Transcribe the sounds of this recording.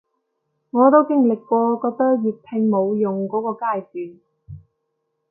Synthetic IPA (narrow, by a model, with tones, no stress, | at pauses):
ŋɔː˨˧t̪o˥wkɪ˥ŋlɪ˨kːʷɔː˧kɔː˧k̚t̪ɐ˥k̚jiː˨˩p̪ʰɪ˧ŋmo˨˧wjʊ˨ŋkɔː˨˥kɔː˧kaː˧˥jsyː˨˩n